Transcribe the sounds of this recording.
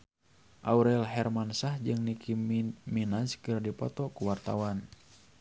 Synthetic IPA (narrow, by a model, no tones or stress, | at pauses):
ʔauɾɛlɦɛrmansahd͡ʒɨŋnikiminaskɨrdipɔt̪ɔkuwart̪a̰wan